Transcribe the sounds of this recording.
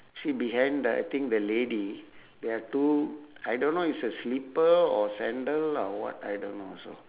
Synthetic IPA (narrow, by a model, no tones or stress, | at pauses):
sibiɦãj̃nda̰jt̪ĩŋk̚d̪əledideatuajdõnːoitsəslipəɔsɛ̃ndəlɔwɔ̰ta̰jdõnːoso̰